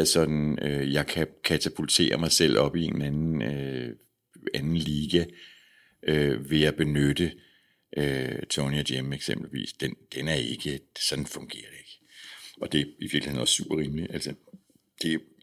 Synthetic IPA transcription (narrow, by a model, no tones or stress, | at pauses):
sɒ̽d̥n̩øjɑ̈ɪkʰækʰæt͡sʰæpʰult͡sʰe̝̰ːɐmɑ̈ɪsel̰ʔɒ̽b̥ienænn̩ø | ænn̩liːɡ̥æ | ʔøʋe̝æb̥e̝nød̥ə | ʔøt͡sʰoniæd̥emeɡ̥sem̰b̥l̩ʋḭːsd̥end̥enæɐe̝ɡ̥əd̥esɒ̽d̥n̩fɔ̽ŋɡ̥e̝̰ːɐd̥e̝ɡ̥əɒ̽d̥e̝iʋiɐɡ̥lihe̝̰n̩ɒ̽ssub̥ɐʁiːmliʔæl̰sɐ | d̥e̝